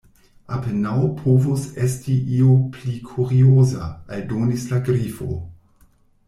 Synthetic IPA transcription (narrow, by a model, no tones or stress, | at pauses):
apenawpʰovosestiʔioplikʰuɾioza̰aldonislaɡɾifo̰